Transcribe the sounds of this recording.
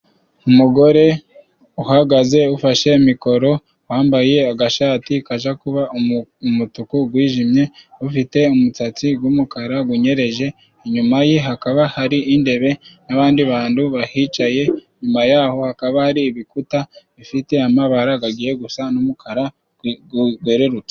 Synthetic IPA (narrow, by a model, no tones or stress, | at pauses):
umuɡo̞ɾe̞ | uhaɡaze̞ufaʃe̞imiko̞ɾo̞ | waːmbaje̞aɡaʃatikaʒakuβaumutukuɡwiːʒimɲe̞ufite̞umut͡sat͡siɡwumukaɾaɡuɲe̞ɾe̞ʒe̞ː | ɲumajeɦakaβahaɾiʔinde̞βe̞naβaːndiβaːnduβahit͡ʃaje̞ɲumajaho̞hakaβahaɾiːβikutaβifite̞amaβaɾaɡaɡiːje̞ɡusanumukʰaɾa | uɡe̞ɾe̞ɾut͡se